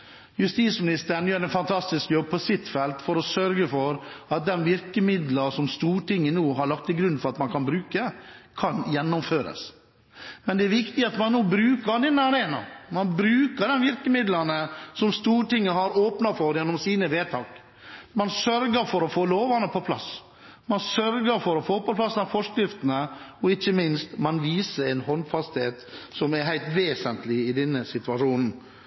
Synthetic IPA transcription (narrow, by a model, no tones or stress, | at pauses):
jʉst̪iːt̪smɪnɪst̪əɾn̩jøːɾɛnfɑnt̪ʰɑst̪ɪskjɔb̚pʰɔsɪt̪ːfɛlt̪fɔɾɔsœɾɡəfɔɾɑt̪̚d̪ɛnʋɪɾkəmɪd̪ləsɔmst̪uːɾʈɪŋːənuːɦɑɾɭɑkt̪ːɪɡɾʉnːfɔɾɑt̪mɑnkʰɑnbɾʉːkəkʰɑnjɛnːɔmføːɾə̰s | mɛnd̪ɛːɾʋɪkt̪ɪɑt̪mɑnnuːbɾʉːkəɾd̪ɛnɑɾeːnɑ̰mɑnbɾʉːkəɾɖɛnʋɪɾkəmɪd̪lɑnəsɔmst̪uːɾʈɪŋːəhɑɾoːpnɑfɔɾjɛnːɔmsiːnəʋeːt̪ʰɑːk | mɑnsœɾɡəɾfɔɾɔfoːloːʋɑnəpʰɔpʰlɑ̰s | mɑnsœɾɡəɾfɔɾɔfoːpɔpʰlɑsənɑfɔʂkɾɪft̪ənəɔɪçːəmɪnst̪mɑnʋiːsəɾɛnhɔnfɑst̪heːt̪sɔmɛɾɦæɪlt̪ʋeːsənt̪lɪɪd̪ɛnːəsɪt̪ʉʋɑʂuːnn̩